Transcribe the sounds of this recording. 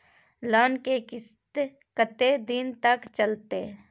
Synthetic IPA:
ləːnkekɪs | t̪ | kət̪ed̪ɪnt̪ɐkt͡ʃəlt̪e

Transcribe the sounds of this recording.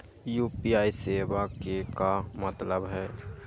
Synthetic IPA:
juːpiaːiseːbakekamət̪ləbɦɛː

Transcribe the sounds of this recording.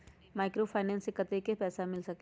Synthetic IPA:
maːɪkɾofʰaːɪnɛ̃ːnsɪkːət̪ekepɛːsamɪlsɐk

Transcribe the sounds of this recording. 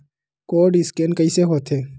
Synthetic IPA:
koːɖɪskeːnkəiseɦoːt̪ʰeː

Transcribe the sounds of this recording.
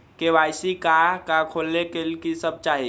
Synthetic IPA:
kebajsikakakʰolːekelkisəb̚t͡ʃaɦi

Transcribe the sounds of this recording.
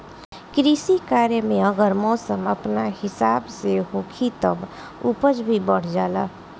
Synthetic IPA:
kɾisikaɾjəmeəɡəɾmɔsəməpnahɪsabseɦokʰit̪əb | upəd͡ʒbʱibəɽ̤d͡ʒalə̰

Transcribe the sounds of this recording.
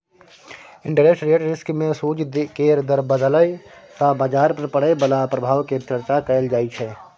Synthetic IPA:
ɪ̃ɳɖʈəɾesʈɾeːʈɾɪskmẽsuːd͡ʒd̪keɾd̪əɾbəd̪ələjsabaːd͡ʒaːɾpɐɾpəɽebəlapɾəbʱaːʋket͡ʃəɾt͡ʃakəld͡ʒaːit͡ʃʰɛː

